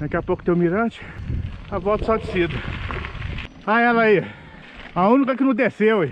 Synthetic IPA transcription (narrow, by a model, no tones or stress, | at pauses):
d̪akiapokʊ̥t̪ẽj̃miɾɐ̃t͡ʃɪ̥avɔt̪ɐ̥sad͡ʒ̪ɪsid̪ɐ | aɛlɐi | aũnikɐkɪnɐ̃d̪esew